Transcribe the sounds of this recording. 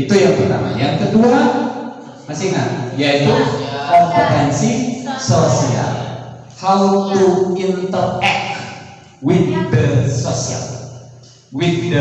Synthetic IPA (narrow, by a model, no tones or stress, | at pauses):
it̪ujaŋpərt̪ama̰liankədua | masɪŋa̰jait̪uhapot̪ɛnsisosia̰l | hawt̪uint̪ərɛk | wit̪̚dəsosia̰l | wit̪̚wid